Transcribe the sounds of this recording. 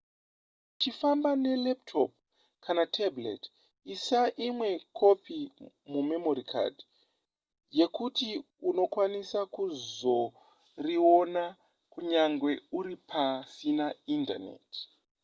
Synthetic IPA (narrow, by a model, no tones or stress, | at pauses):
tifambane̞lep̚tʰop̚ | kʰanatʰablḛt | isaʔimwe̞kʰo̞pi | mumemoɾikʰa̰d | je̞kuti | uno̞kwanisakuzo̞ | rio̞na | kuɲaŋɡwe̞uɾipʰasinainda̰nḛt